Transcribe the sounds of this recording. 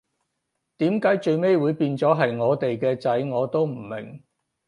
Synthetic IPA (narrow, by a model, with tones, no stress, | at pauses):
t̪iː˨˥mkaː˨˥jt͡ʃɵ˧ɥme˥jwuː˨˧jpiː˧nt͡sɔː˨˥ɦɐ˨jŋɔː˨˧t̪e˨jkɛː˧t͡sɐ˨˥jŋɔː˨˧t̪o˥wm̩˨˩mɪ̰˨˩ŋ